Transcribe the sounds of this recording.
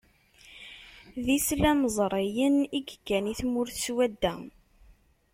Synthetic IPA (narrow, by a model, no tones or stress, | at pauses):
ðislæməzˤɾˤijəniɡəɡːæniθmʊɾθswæd̪ːæ